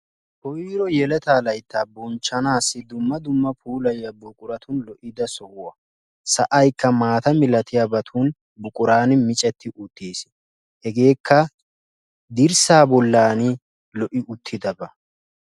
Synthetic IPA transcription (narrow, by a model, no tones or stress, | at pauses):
hɔjiːɾɔjɛlɛt̪aːlɐjt̪ːɐbɔnt͡ʃːɐnaːsːɪd̪ʊmːɐd̪ʊmːɐpʰuːlɐjːɐbʊkʼʊɾɐt̪ʰʊnlɔʔɪd̪ɐsɔhʊwɐ | sɐʔɐjkːɐmaːt̪ɐmɪlɐt̪ʰɪjabɐt̪ʰuːn | bʊkʼʊɾaːnɪmɪt͡ʃʼɛt̪ʰːɪʔʊt̪ːiːs | hɛɡe̞ːkːɐ | d̪ɪɾsaːbɔlːaːnɪ | lɔʔɪʊt̪ʰːɪd̪ɐbɐ